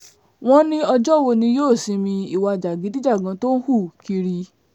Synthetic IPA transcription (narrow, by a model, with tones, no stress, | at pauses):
w̃ɔ̃˦nĩ˦ɔ˧d͡ʒɔ˦wo˧nĩ˧joː˦˨sĩ˨˧mĩ˧i˨wa˧˨d͡ʒa˨ɡi˨˦di˦d͡ʒa˦˨ɡã˨˧˦to˦n̩˦hu˦˨ki˧ɾi˧